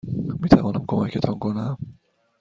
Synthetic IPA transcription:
miːt̪ʰævɒːnæmkʰo̞mæcʰet̪ʰɒːnkʰonæm

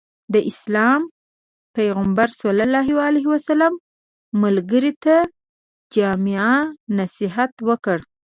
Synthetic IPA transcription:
d̪əʔɪslɑm | pajɣambaɾsalalːɑɦiwaleɦiwasalamː | alɡəɾit̪a | d͡ʒɑmɪanasiɦat̪wəkəɽ

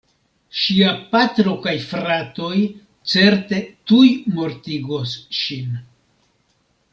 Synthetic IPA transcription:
ʃiapat̪ɾo̞kajfɾato̞j | t͡se̞ɾte̞tujmo̞ɾtiɡo̞sʃin

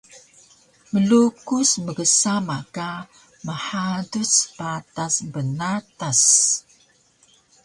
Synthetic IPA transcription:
məlukusməɡəsamaka | məħaduspatasbənatas

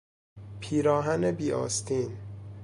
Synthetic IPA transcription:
pʰiːɾɒːɦænebiːʔɒ̰ːst̪ʰiːn

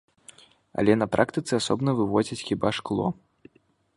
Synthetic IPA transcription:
ɐ̰lʲɛnɐpɾʔakt̪ɨt̪sɨasɔbnɐvɨvɔd͡zʲit͡sʲxʲibaʂklˠɔ̰

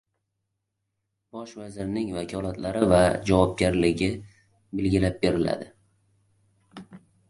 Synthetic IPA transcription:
b̥ɒʃvazɪɾnɪŋvakʲʰɒlˠat̪ʰlaɾɪvad͡ʒavɒp̚ɡʲaɾlɪɡʲɪ | belɡʲɪlap̚be̞ɾɪla̰d̪ɪ

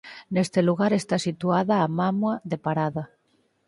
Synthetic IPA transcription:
nest̪eluɣ̞aɾest̪asit̪uaðaːmamwaðepaɾaða

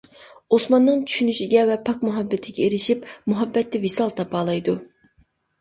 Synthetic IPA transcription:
osmɑnːɨŋt͡ʃʰy̥ʃynyʃiɡʲɛvɛpʰɑkmuɦɑbːɪt̪ʰɪɡʲɛeɾɪʃipmuɦɑbːɛt̪ːɪvisɑlˠt̪ʰɑpɑːlˠɑjd̪u

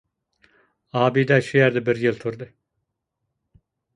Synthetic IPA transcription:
aːbiːd̪æʃijæɾd̪ɛbiɾjɯlˠt̪ʰuɾd̪ɯ

